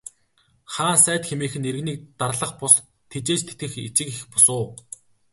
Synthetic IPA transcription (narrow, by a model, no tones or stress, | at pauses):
χaːnsæːt̪xemeːxɘ̆neɾɘ̆ɣniːk̚t̪arɮə̆χpʊs | t̪ʰet͡ɕeːt͡ɕt̪ʰet̪ɡɘ̆xḭt͡ɕɪ̆kixpʊsʊː